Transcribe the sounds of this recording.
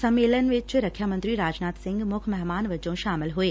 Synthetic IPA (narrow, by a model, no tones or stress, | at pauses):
sɐmːeːlənʋɪt͡ʃɾɐkʰjaːmə̃nt̪ɾiɾaːd͡ʒnaːt̪sɪ̃ŋɡmʊkʰmɛɦmaːnʋɐd͡ʒõʃaːmɪlɦueː